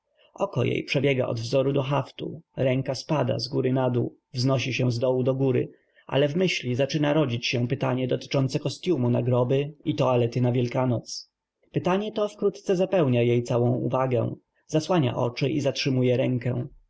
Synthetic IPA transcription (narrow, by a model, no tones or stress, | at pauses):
ɔkɔ̰jḛjpʂɛbʲjɛɡa̰ʔɔ̰d̪vzɔɾud̪ɔxaft̪ṵɾɛŋkaspad̪a̰zɡuɾɘnad̪ṵ | vznɔɕiɕɛ̃zd̪ɔwud̪ɔɡuɾɘ̰ | ʔa̰lɛvmɘɕlʲizat͡ʂɘnaɾɔd͡ʑit͡ɕɕɛ̃pɘt̪aɲɛd̪ɔt̪ɘ̥t͡ʂɔnt̪sɛkɔst̪ʲjumuna̰ɡɾɔbɘit̪ɔalɛt̪ɘnavʲjɛlkanɔt̪s | pɘt̪aɲɛt̪ɔfkɾut̪t̪sɛzapɛwɲajejt̪sawɔ̃w̃ṵvaɡɛ̰̃w̃ | zaswaɲa̰ʔɔ̰t͡ʂɘʔizatʂɘmujɛɾɛŋkɛ̰̃w̃